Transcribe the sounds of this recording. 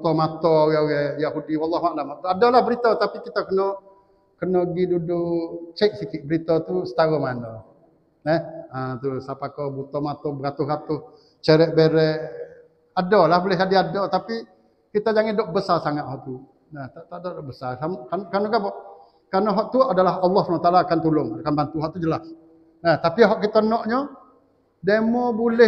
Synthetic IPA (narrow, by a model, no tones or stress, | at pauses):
but̪ɔmat̪ɔɡɛɡɛjaɦudiwalːɑɦwalamaʔt̪uadɔlahbəɾit̪ɔt̪apikit̪akənɔ | kənɔɡidudʊt͡ʃɛʔ̚sikɪʔ̚bəɾit̪ɔt̪usə̥t̪aɣɔhmanɔ | nɛhət̪usapakɔbut̪ɔmat̪ɔbəkat̪ʊhkat̪ʊh | t͡ʃəɾɛʔbeɾɛ | adɔlahbulɛhadiadɔt̪api | kit̪ad͡ʒaŋɪndɔʔbəsasaŋat̪̚hɔʔt̪u | ɛt̪aʔt̪aʔdɔʔdɔʔbəsasamkankanɔkabɔʔ | kanɔɦɔʔ̚t̪uʔadalaɦɑlˠːɔhspnat̪alaːkant̪ulʊŋakanbant̪uɦɔʔt̪ud͡ʒəlas | ɛt̪apiɦɔʔkit̪ɔnɔʔɲɔ | demɔbulɛ